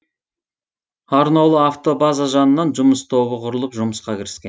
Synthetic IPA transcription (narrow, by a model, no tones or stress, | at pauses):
ɑɾnolˠəaft̪o̞bazaʒɑnənːɑnʒʊməst̪ʰo̞βəqʰʊɾəlˠəpʒʊməsqɑkʲɪɾɪ̥skʲen